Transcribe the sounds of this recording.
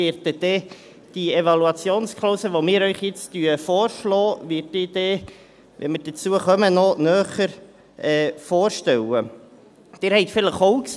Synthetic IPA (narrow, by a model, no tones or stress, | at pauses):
ɪːɾtɛd̥̪ɛ | d̥ievɑluɑt͡sjoːnskʰχloːsəʋomɪːɾœʏχjɪt͡styəfoːɾʃlɔːvɪːt̚dɪd̥̪ɛ | ʋɛ̰məd̥ət͡suəχœmənɔnœːχəɾ | ɛfoːɾʃtɛwə | d̥ɪːɾhɛɪt̪fɪləχoʊk